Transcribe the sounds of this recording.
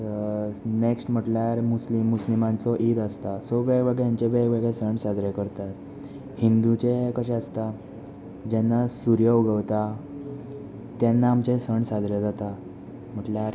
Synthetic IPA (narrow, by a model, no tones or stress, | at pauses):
neksʈm̤əʈljaɾmuslimːuslimãnt͡sɔʔid̪əst̪asɔʋeʋəɡjaɲt͡ɕeʋeɡʋeɡɭesəɳsad͡zɾjekəɾt̪at̪ | hind̪ut͡ɕekəɕɛ̃əst̪a | d͡ʑɛnːasuɾjəʋɡəʋt̪a | t̪jɛnːaːmt͡ɕesəɳsad͡zɾjed͡zat̪a | m̤əʈljaɾ